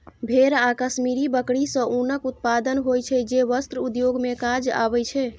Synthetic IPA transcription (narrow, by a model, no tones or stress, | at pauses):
bʱeɾakəsmiɾibəkɽisə̃ʔunəkut̪̚pad̪ənɦojt͡ʃʰɛd͡ʒeʋəst̪ɾəud̪joɡmekad͡ʒa̰bɛt͡ʃʰɛ